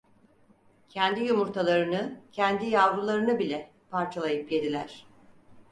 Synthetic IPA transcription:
cʰɛnd̪ijumuɾt̪ʰalˠaɾɯnɯcʰɛnd̪ijavɾulˠaɾɯnɯbilʲɛ | pʰaɾt͡ʃʰalˠajɯpje̞d̪ilʲæ̰ɾ̥

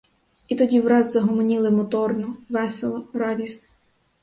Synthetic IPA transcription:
it̪ɔdʲiʋɾɑzzɐɦɔmɔnʲilˠɪmɔt̪ɔrnɔʋɛselˠɐrɑdʲisʲt̪ʲ

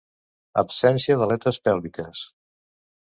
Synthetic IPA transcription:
ə̰psɛnsiəðəlɛt̪əspɛlˠβikəs

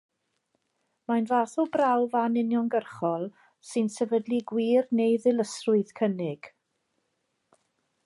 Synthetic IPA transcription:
majnvaːθɔbrawvanɪnjɔnɡərχɔlˠ | sɨnsɛvədliɡwiːrnejðɪlˠəsrʊɨð̥kʰənɪɡ̥

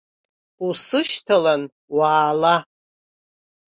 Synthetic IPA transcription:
usɨʃtʰalan | waːla

